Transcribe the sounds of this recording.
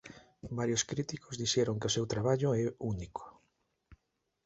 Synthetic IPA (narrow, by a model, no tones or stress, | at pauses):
baɾjoskɾit̪ikozðiʃɛɾoŋkɪosewt̪ɾaβaʎʊɛunikʰo̥